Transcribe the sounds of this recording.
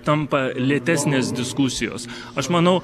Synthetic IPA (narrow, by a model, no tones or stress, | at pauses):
t̪ɐmpɐlʲiɛt̪ʲæːsʲnʲeːsd̪ʲɪskʊsʲɪjo̰ːs | ɐʃmɐnɐʊ